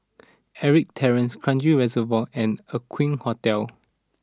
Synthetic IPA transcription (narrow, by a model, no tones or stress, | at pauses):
ɛɹik̚tʰɛɹə̃nskʰɹãnd͡ʒiɹɛzəvɔɛ̃nəkʰwĩnhɔtɛl